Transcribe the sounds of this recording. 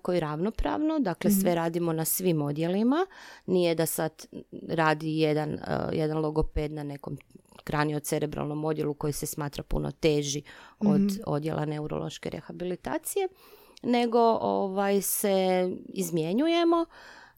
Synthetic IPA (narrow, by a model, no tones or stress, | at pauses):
kojiɾaʋno̞pɾa̰ʋno̞d̪aklesʋe̞ɾaːd̪imo̞nasʋimo̞d̪je̞limanijed̪asad̪ɾaːd̪ijed̪an̰jed̪anlˠoɡo̞ped̪nane̞ko̞mkɾaniot̪t̪se̞ɾʔebɾa̰lˠno̞mo̞d̪je̞luko̞jisesmaːt̪ɾapṵno̰t̪eːʒiod̪o̰d̪je̞lʔa̰ne̞uɾo̰lˠo̞̰ʃkḛɾe̞̰xabilit̪a̰ːt̪sije̞ | ne̞ɡo̞ʔoʋajse̞ḭzmje̞ɲuje̞mo̞